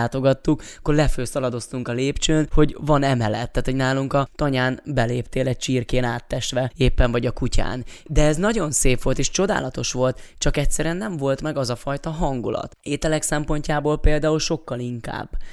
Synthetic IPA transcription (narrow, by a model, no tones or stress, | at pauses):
t̪o̞ɡɒt̪ːukkːorlɛføːsɒlɒd̪o̞st̪uŋkɒleːpt͡ʃøːnho̞ɟvɒnɛmɛlɛt̪ːaːt̪ho̞ɟnaːluŋkɒt̪ɒɲaːnbɛleːpt̪eːlɛc̚t͡ʃiːrkeːnaːt̪ːɛʃt̪ʋɛeːpːɛɱvɒɟɒkuca̰ːnd̪ɛɛznɒɟo̞nseːpʋo̞lt̪eːʃt͡ʃo̞d̪a̰ːlɒt̪o̞ʃʋo̞lt̪t͡ʃɒkɛc̚tsɛɾyɛnːɛɱvo̞lt̪mɛɡɒzɒfɒjt̪ɒɦɒŋɡulɒ̰t̪eːt̪ɛlɛksɛmpo̞ɲcaːboːlpeːld̪aːulʃo̞kːɒliŋka̰ːbː